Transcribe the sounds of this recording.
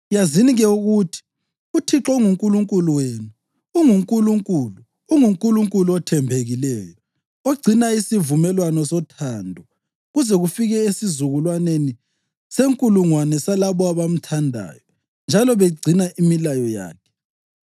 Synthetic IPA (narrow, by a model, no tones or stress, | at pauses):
jaziniɣɛuɣutʰi̥ | utʰiǁɔŋuŋkʼuluŋkʼuluweːnuː | ŋuŋkʼuluŋkʼulu | uŋuŋkʼuluŋkʼuluɔtʰɛmbʱeɣilɛːjɔ | oɡ͡ǀʱinaisivumɛlwanɔsɔtʰandʱɔ | ɣuzɛɣufiɣɛesizuɣulwaneni | seŋkʼuluŋwanɛsalaβɔaβam̩tʰandʱa̰ːjɔ | nd͡ʒʱalɔβeɡ͡ǀʱinaʔimilajɔja̰ːkʰɛ̥